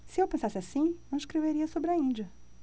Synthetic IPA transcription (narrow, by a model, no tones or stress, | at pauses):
sɪewpẽsasɪasĩnɐ̃w̃iʃkɾeveɾiɐsobɾɪɐĩd͡ʒɐ